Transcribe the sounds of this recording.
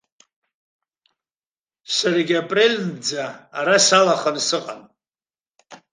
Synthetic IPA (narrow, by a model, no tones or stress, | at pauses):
saɾaɡʲapʼrelʲd͡zaːɾasalaχansɨqʼa̰n